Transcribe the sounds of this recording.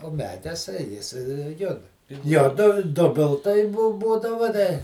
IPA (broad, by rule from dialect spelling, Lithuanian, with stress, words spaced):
oː ˈmʲæːdʲɛs ˈjɪs ˈjʊt ˈjoː dʊ ˈdʊbʲɪlˠtɐɪ ˈbʊ ˈbuːdɐʋɐ dɐ